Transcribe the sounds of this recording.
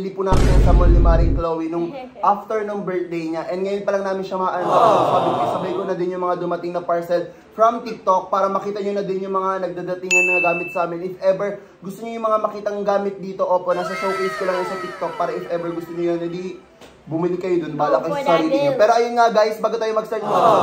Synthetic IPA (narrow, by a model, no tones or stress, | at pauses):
lipunaːmɪnɐnsɐmolːɪmaːɾɪŋklowɪnʊŋ | ʔaft̪ɛɹnoŋbɛɹt̪̚d̪ejɲaʔɛnd̪̚ŋɐjonpɐlɐŋnaːmɪnʃɐmɐʔɐnɐnd̪apabɪpɐsɐbɐjkonɐd̪ɪnjʊŋmɐŋad̪ʊmɐt̪ɪŋnɐpɐɹsɛl | fɹɐmt̪ɪk̚t̪o̞k̚paːɾɐmɐkiːt̪ɐɲonɐd̪ɪnjʊŋmɐŋanɐɡ̚d̪aːd̪ɐt̪ɪŋɲɐnɐŋɐɡaːmɪt̪̚sɐʔaːmɪnɪfʔɛbɛɹ | ɡʊst̪oɲojʊŋmɐŋamɐkiːt̪ɐŋɡaːmɪt̪̚d̪iːt̪o̞ʔoːponasɐʃowʔejd͡ʒkolɐŋjonsɐt̪ɪk̚t̪ok̚paːɾɐʔɪfʔɛbɛɹɡʊst̪oɲojonɪd̪i | bʊmɪlɪkːɐjod̪onbaːlɐkɐjsɐɾiːd̪ɪɲɐpɛːɾoʔɐjonŋaɡajsbaːɡot̪aːjomɐɡ̚sɛɹt̪̚mɐ